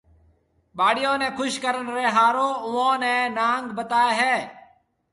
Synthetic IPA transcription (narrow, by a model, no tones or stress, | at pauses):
ɓaːɽɪjõːnẽːkʰʊʃkəɾənɾeːɦaːɾõːʊõːnẽːnaːŋɡbət̪aːeːɦɛː